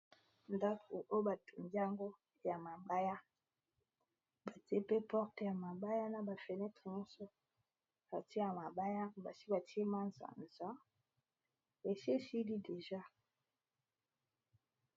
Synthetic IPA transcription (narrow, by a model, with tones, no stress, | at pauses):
nda˦kʰo˨ʔo˦ba˨tʰu˨nda˦ŋɡo˦ | ja˨ma˨ba˦ja˦ | ba˨ti˦e˦pe˦pɔ˦ʁte˨ja˨ma˨ba˦ja˦na˨ba˨fe˨nɛ˦tʁe˨ɲɔ˦sɔ˦ | ba˨te˦ja˨ma˨ba˦ja˦ba˨si˦ba˨ti˦e˦ma˦nza̰˨nza˦ | e˨ʃe˦si˦di˦de˨ʒa˦